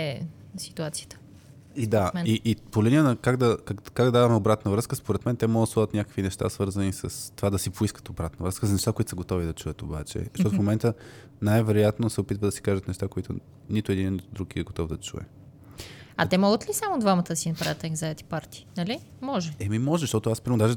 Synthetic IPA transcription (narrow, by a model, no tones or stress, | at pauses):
ɛsi̥t̪uat̪siə̥t̪ə̥ | id̪aɛniʔːpolʲinʲiənɐkaɡd̪ɐkakːaɡd̪d̪avɐmɛobɾat̪nəvɾɤskəspoɾɛt̪mɛnt̪ɛmɔɡət̪slɔvət̪nʲakə̥kvinɛʃt̪a̰svɤɾzənisəst̪ovad̪ɐsipoiskət̪obɾat̪nəvɾəskəzɐnɛʃt̪akoʊit̪səɡot̪ɔvid̪ɐt͡ʃuət̪oba̰t͡ʃɛ̰ʃtɔt̪ʊfmomɛnt̪ə | najvɛɾojat̪nosɛopit̪vəd̪ɐsi̥kaʒət̪nɛʃt̪akoit̪ʊ̰ | nit̪ʊɛd̪innit̪ʊd̪ɾukiɛɡot̪ɔvd̪ɐt͡ʃṵɛ̰ | ɐtt̪ɛmɔɡət̪lisamod̪vamət̪əd̪ɐsinɐpɾavət̪ɛɡzɐɛt̪i̥paɾt̪i̥ːnɐli | mɔʒɛɛmimɔʒɛzʃt̪ɔt̪ʊaspɾimod̪aʒɛ